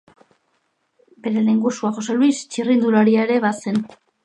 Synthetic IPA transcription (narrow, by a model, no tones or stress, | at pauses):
be̞ɾe̞leŋɡusuaxo̞soluist͡ʃirind̪ulaɾiaeɾe̞βase̞n